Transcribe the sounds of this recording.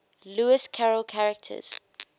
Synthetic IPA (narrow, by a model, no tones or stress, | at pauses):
luɪskʰaɹəlkʰaɹɛk̚tʰə̰z̥